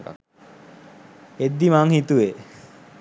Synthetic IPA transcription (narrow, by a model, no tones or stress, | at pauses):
ed̪ːimaŋhit̪ue